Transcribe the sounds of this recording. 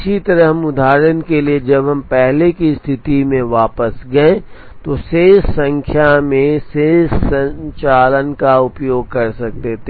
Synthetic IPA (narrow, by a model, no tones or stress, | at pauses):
t͡ʃʰit̪ɐɾəɦmʊd̪ʱaːɾənkelied͡ʒɐbɦɐmpɛɦlekist̪ʰɪt̪imẽʋaːpəsɡɐẽ | t̪oʃeːssə̃ŋkʰjamẽseːssə̃ɲt͡ʃaːlənkaʊpjoːɡ̚kɐɾsɐk̚t̪et̪ʰe